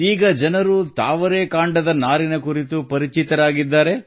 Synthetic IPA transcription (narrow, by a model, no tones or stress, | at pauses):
iːɡɐd͡ʒɐnɐɾut̪a̰ːʋɐɾe̞ːkaːɳɖɐd̪ɐnaːɾinɐkuɾit̪upɐɾit͡ʃit̪ɐɾaːɡid̪ːaːɾe̞